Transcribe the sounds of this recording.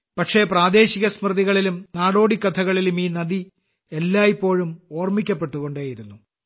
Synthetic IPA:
pɐʈʂe̞praːd̪e̞ːɕiɣɐsmrɨðiɣɐɭilumnaːɽo̞ːɽikːɐt̪ʰɐɣɐɭilumiːnɐd̪i | elːaːjipːo̞ːɻumoːrmikʲːɐpːe̞ʈːuɣoɳɖeːjiɾunːu

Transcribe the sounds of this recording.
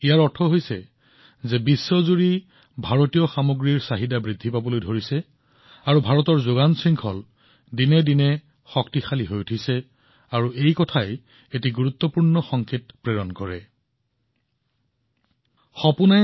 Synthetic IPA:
ijaɹɔtʰɔɦojsɛ̰ | zɛbisːɔzuɹi | bʱaɹotijɔxamoɡɹiɹsaɦidabɹidʱːipabɔlojdʱoɹisɛ | aɹubʱaɹɔtɔɹzoɡansɹiŋkʰɔl | dinɛdinɛ | xɔktixaliɦojutʰisɛ | aɹuejkɔtʰaj | etiɡuɹut̪ːɔpuɹnɔxɔŋkʰetpɹeɹɔnkɔɹɛ̰ | xɔpuna

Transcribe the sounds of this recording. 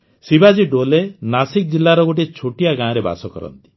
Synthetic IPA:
sibad͡ʒiɖolenasik̚d͡ʒilːaɾɔɡoʈ̬it͡ʃʰoʈijaɡãːɔɾeba̰sɔkɔ̰ɾɔ̰nt̪i̥

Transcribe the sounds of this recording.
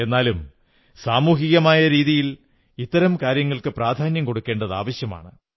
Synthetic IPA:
e̞nːaːlum | saːmuːɦiɣɐmaːjɐɾiːðijil | it̪ːɐɾɐmkaːɾjɐŋːɐɭkɨpraːd̪ʱaːnjɐmko̞ɽukːe̞ːɳɖɐða̰ːʋɐɕjɐma̰ːɳɨ

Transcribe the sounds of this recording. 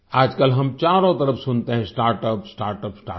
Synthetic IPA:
aːd͡ʒkəlɦɐmt͡ʃaːɾõt̪ɐɾəfʰsʊnt̪eɦɛ̃sʈaːɾʈəpsʈaːɾʈəpsʈa̰ː

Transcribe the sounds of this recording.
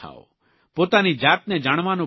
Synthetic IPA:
a̰o̰ | pot̪anid͡ʒaːt̪̚ned͡ʒaɽ̃ʋanu

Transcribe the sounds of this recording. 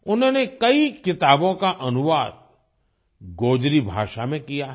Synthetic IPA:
ʊnɦõːnekɐikɪt̪aːbõkaʔɐnʊʋaːd̪̚ | ɡoːd͡ʒɾibʱa̰ːʃamẽkija

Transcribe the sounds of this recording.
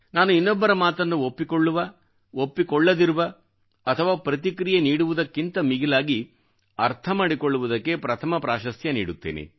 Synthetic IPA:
naːnuinːɔbːɐɾɐmaːt̪ɐnːuopːikɔɭːuʋɐ | opːikɔɭːɐd̪iɾuʋɐ | ɐt̪ʰɐʋaːpɾɐt̪ikɾijeniːɽuʋud̪ɐkːint̪ɐmiɡilaːɡi | ɐɾt̪ʰɐmaːɽikɔɭːuʋud̪ɐkːe̞pɾɐt̪ʰɐmɐpɾaːʃɐsjɐnḭːɽut̪ːḛːnḛ

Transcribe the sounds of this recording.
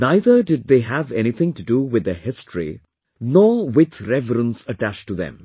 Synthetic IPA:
naɪðəɖɪɖ̚ðeːɦævɛnit̪ʰɪ̃ŋtuduwɪd̪əhɪstʰɹḭ | nɔːwɪd̪ɾɛvəɾə̃nsəʈæt͡ʃʈuðɛ̰̃m

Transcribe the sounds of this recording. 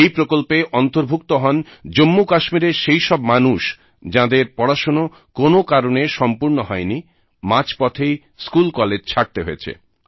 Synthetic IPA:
ejpɾokolpeʔɔnt̪oɾbʱukt̪oɦɔnd͡ʑomːukaʃmiɾeʃejʃɔbmanuʃ | d͡ʑãd̪eɾpɔɽaʃono | konokaɾoneʃɔmpuɾnoɦɔeni | mãt͡ɕpɔt̪ʰej | skulkɔled͡ʑt͡ɕʰaʈ̚t̪eɦojet͡ɕʰḛ

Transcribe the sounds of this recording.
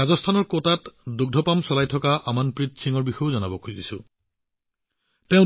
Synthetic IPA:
azɔstʰanɔɹkotatduɡ̚dʱɔpamsɔlajtʰɔkaʔamanpɹitsʰiŋɔɹbixɔjʊzɔnabɔkʰuzisʊ | tɛ̃ʊ̃

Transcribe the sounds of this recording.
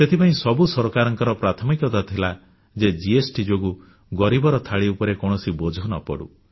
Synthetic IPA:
set̪ʰipaĩsɔbusɔɾɔkaɾɔŋkɔɾɔpɾat̪ʰɔmikɔt̪at̪ʰila | d͡ʒed͡ʒiesʈid͡ʒoɡu | ɡɔɾibɔɾɔt̪ʰaɭiupɔɾekɔɳ̃ɔsibɔd͡ʒʱɔnɔpɔ̰ɽṵ

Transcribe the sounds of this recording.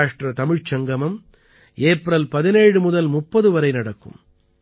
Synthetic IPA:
ʂʈrɐt̪ɐmɪɻt͡ʃɐŋɡɐmɐm | eːpɾɐlpɐðɪneːɻɯmʊðɐlmʊpːɐðɯʋɐɾɐɪnɐɽɐkːɯ̰m

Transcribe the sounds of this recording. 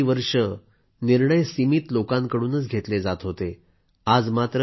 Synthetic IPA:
ʋəɾʂə | niɾɳəjsimiːt̪lokãŋkəɽuːnət͡sɡʱet̪led͡zat̪ɦot̪e | ad͡zmat̪ɾə

